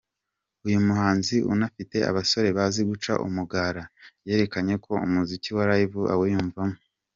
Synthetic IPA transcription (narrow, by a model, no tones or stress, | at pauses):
ujumuhaːnziʔṵnafite̞a̰βaso̞ɾe̞βaziɡut͡ʃa̰ʔṵmuɡaːɾaje̞ːɾe̞kaɲe̞kʰo̞ṵmuziciwaɾajiβuʔa̰wejuːɱvamo